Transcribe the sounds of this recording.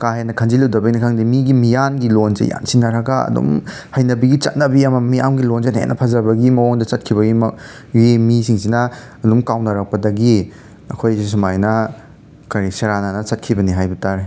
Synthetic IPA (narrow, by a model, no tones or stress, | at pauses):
kaɦenɐkʰɐnd͡ʒiludɐbɐjnikʰaŋdimiɡimijanɡilonzḛja̰msiŋnɐɾɐɡɐɐ̰dṵm | hɐjnɐbɐɡit͡ʃɐ̰t̚nɐbiɐmɐmija̰mɡilonzenḛnʔɐpʰazɐbɐɡimɐwoŋdɐt͡ʃɐt̚kʰibɐɡim | iemisiŋs̬inɐɐdumkawnɐɾak̚pɐdɐɡi | ɐ̰kʰojs̬umajnɐ | kɐɾisɐɾananɐt͡ʃɐt̚kʰibɐniɦajbɐtaɾi